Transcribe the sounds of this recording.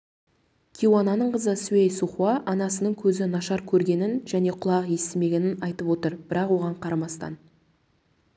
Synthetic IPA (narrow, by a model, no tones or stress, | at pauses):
kʲʰiwɑnɑnəɴqəzəsuejsuχwɑʔɑnɑsənəɴkʲʰɵzɪnɑʃɑɾkʲʰɵɾɡʲe̞nɪnʒæne̞qʰʊlˠɑʁje̞st̪eme̞ɡʲe̞nɪnɑjt̪əpwo̞t̪əɾb̥ɪɾɑqwo̞ʁɑɴqʰɑɾɑmɑst̪ɑ̰n